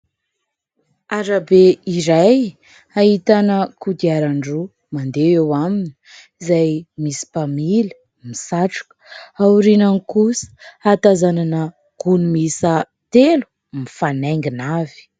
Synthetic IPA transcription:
aɾabeiɾaj | aɦit̪anəkud̪iaɾaɳɖ͡ʐu | mand̪eewamini̥izajmisi̥pamilə̥ | misaʈ͡ʂu̥kə̥auɾinanikusə̥at̪azananə | ɡ̥unumisə | t̪elu̥ | mifaneŋɡinavi̥

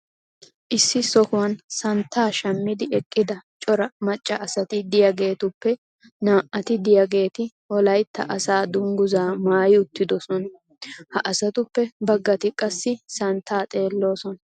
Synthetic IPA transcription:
ʔɪsːɪsɔkʊwɐnsɐnt̪ʰːaːʃɐmːɪd̪ɪɛkʼːɪd̪ɐt͡ʃʼɔɾɐmɐt͡ʃʼːɐʔɐsɐt̪ɪd̪ɪjɐɡe̞ːt̪ʊpːɛ | naːʔɐt̪ɪd̪ɪjɐɡe̞ːt̪ɪ | wɔlɐjt̪ʰːɐ̰ʔɐsaːd̪ʊŋɡʊzaːmaːjɪʊt̪ːɪd̪ɔsɔnɐ | hɐʔɐsɐt̪ʊpːɛbɐɡːɐt̪ɪkʼːɐsːɪsɐnt̪ʰːaːt̪ʼe̞ːlːo̞ːsɔn

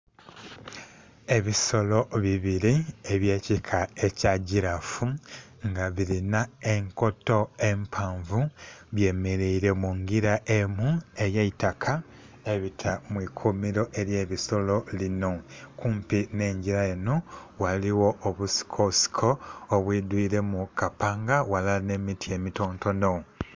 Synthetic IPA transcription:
e̞βiso̞lo̞βiβiɾie̞βje̞ːcikʰae̞caɟiɾafuŋɡaβiɾinae̞ŋko̞to̞e̞mpʰaːɱvuβje̞meɾeiɾe̞muŋɡiɾaʔemue̞jeitakʰa | e̞βitʰamwikʰumiɾo̞ʔe̞ɾje̞ːβiso̞lo̞lino̞kuːmpine̞ːɲɟiɾaenowaliwo̞ʔːβusi̥kʰosi̥kʰo̞ːβwid̪wiːɾe̞mukapaːŋɡawalane̞mitʰie̞mito̞ːnto̞no

